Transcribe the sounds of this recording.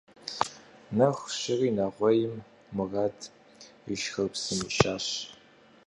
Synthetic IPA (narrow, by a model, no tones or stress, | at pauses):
nɐxʷɕɪriːnɐʁʷɔjɪmː | ɨrɐdʰ | əʃxɐrpsɨmɨɕʼaːɕ